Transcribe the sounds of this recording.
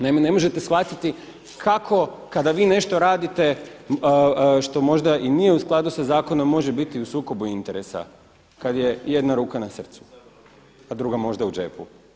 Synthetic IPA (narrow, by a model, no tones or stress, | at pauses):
naimene̞mo̞ʒet̪esʋat̪it̪i | kʰakʰo̞ | kad̪aʋiːne̞ʃt̪o̞ɾaːd̪it̪e̞ | ʃt̪o̞mo̞ʒd̪aʔinijeusklˠad̪usazaːko̞nommːo̞ʒe̞bit̪iusuːko̞buint̪e̞ɾe̞sa̰ | kad̪je̞je̞d̪naɾuːkanasr̩t̪su̥ | ad̪ɾuɡamo̞ʒd̪aud͡ʒe̞pṵ